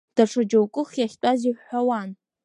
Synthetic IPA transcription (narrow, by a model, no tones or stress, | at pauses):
d̥aʈ͡ʂʰad͡ʒowkʷʼʊχjaχʲtʷʼaziħħʷawan